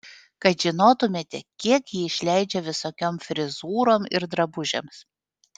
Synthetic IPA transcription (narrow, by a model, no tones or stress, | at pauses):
kɐɪʒʲɪnoːt̪ʊmʲeːt̪ʲɛkʲiɛkjiːɪʃʲlʲæɪd͡ʒʲɛʋʲɪsoːkʲoːmfʲɾʲɪzuːɾoːmɪ̰ɾd̪ɾɐbʊʒʲɛ̰ms